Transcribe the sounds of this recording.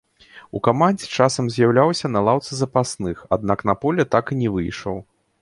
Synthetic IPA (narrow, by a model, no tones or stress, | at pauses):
ṵkamanʲd͡zʲɛt͡ʂasɐmzʲjawlʲawsʲɐnɐlˠawt̪sɨzɐpasnɨxad̪̚nakn̪ɐpɔlʲɛt̪akɨnʲɛvɨjʂɐ̰w